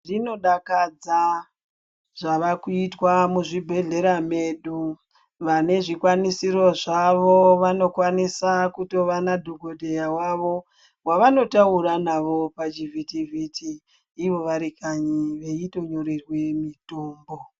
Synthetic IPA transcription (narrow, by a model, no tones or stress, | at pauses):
rino̞ɗakad͡za | ʐ̥aʋakuitwamuʐibʱe̞ɮe̞ɾame̞ɗu | ʋane̞ʐikwanisiɾo̞ʐaʋo̞ʋano̞kwanisakuto̞ʋanadʱoɡodʱe̞jawaʋo̞ | waʋano̞tauɾanaʋo̞pad͡ʒivitivitʰiː | ʋo̞ʋaɾikaɲiʋe̞ito̞ɲo̞ɾirwe̞mitoːmbo̞